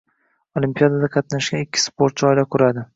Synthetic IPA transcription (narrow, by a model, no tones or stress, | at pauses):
olimpijad̪ad̪aqʰɑt̪naʃɡʲanɪkʲʰːɪ̥spoɾt̪̚t͡ʃʰɒɪlakʰʊɾad̪ɪ